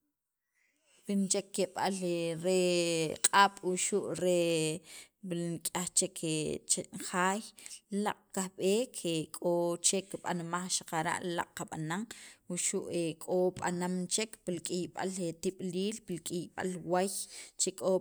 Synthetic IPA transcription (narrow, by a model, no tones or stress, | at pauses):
bint͡ʃekːeɓaleɾeqʼaːɓ̥wuʃuʔɾe | biŋkʼaχt͡ʃekʰet͡ʃeχaːjlaqʼkahɓeːkʰekʼot͡ʃekiɓa̰nmaχʃḁqaɾa̰ʔla̰qʼqaɓanaŋwuʃuʔekʼoɓa̰namt͡ʃekpilkʼijɓa̰let̪iɓ̥liːlpilkʼijɓa̰lwajt͡ʃekʼo